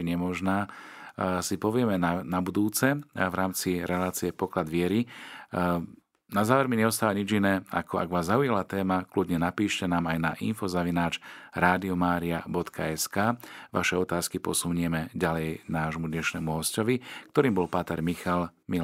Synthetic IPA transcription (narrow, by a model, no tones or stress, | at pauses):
iɲɛmɔʒnaː | sipɔʋɪɛmɛnanabud̪uːt͡sɛvɾaːmt͡siɾɛlaːt͡siɛpɔklad̪ʋɪɛɾi | nazaːʋɛɾmiɲɛɔst̪aːʋaɲid͡ʒinɛːa̰kɔa̰ɡʋaːzːaujalat̪ɛːmakludɲɛnapiːʃcɛnaːmajnaʔinfɔzaʋinaːt͡ʃɾaːd̪iɔmaːɾiabɔt̪kʰa̰ɛskaːʋaʃɛɔt̪aːskipɔsuɲɛmɛɟalɛjnaːʒɔmud̪ɲɛʃnɛːmuɦɔscɔʋikt̪ɔɾiːmbɔlpat̪ɛɾmixalmil